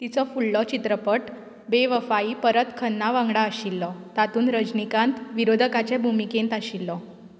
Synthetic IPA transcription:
t̪it͡sɔfulːɔt͡ɕit̪ɾəpəʈ | beʋəfaiːpəɾət̪kʰənːaʋãŋɡɽaəɕilːɔt̪at̪uːnɾəd͡ʑnikãnt̪ʋiɾod̪ʱəkat͡ɕɛbʱumikẽnt̪aɕilːɔ

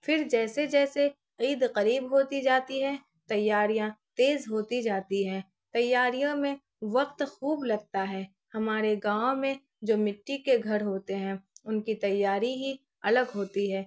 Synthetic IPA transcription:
fɪɾd͡ʒɛːsed͡ʒɛːse | iːd̪qɐɾiːbɦoːt̪id͡ʒaːt̪iɦɛ̃ | t̪ɐjːaːɾijãt̪eːzɦoːt̪id͡ʒaːt̪iɦɛ̃ː | t̪ɐjːaːɾijõmẽ | ʋɐqt̪xuːblɐɡ̚t̪aɦɛː | hɐmaːɾeɡãːmẽ | d͡ʒoːmɪʈːikeɡʱɐɾɦoːt̪eɦɛ̃ːʊnkit̪ɐjːaːɾiɦi | ɐləɡɦoːt̪iɦɛ̃ː

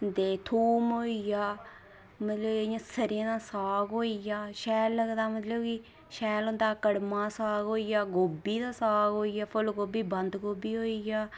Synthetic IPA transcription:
t̪eːt̪ʰuːmɦoːijaː | mət̪ləbejãːsəɾãːd̪aːsaːɡɦoːijaːʃɛːlːəɡd̪aːmət̪ləbki | ʃɛːlõnd̪aːkəɽmãːsaːɡɦoːijaːɡoːbiːd̪aːsaːɡɦoːijaːpʰʊlɡoːbiːbənd̪ɡoːbiːɦoːijaː

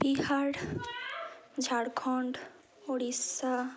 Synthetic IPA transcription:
bihaɽ | d͡ʒʱaɽkʰɔɳɖ | oɽisa

